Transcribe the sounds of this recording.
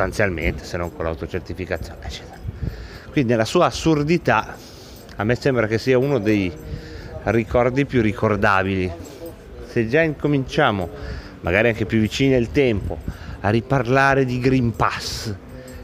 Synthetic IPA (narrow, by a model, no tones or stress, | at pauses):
ot̪ant̪sjalmḛnt̪e̥senːoŋkola̰wt̪ot͡ʃert̪ifikat̪sjo̰ːneet͡ʃːɛ̥t̪eɾakwind̪inelasuːaːsːurd̪it̪a | amːɛsɛmbɾakesːiːaunod̪ej | rikɔrd̪ipjurːikord̪aːbili | sed͡ʒaiŋkomint͡ʃaːmo | ma̰ɡaːɾiaŋkepjuvːit͡ʃiːnielt̪ɛmpoarːiparlaːɾed̪iɡɾimpas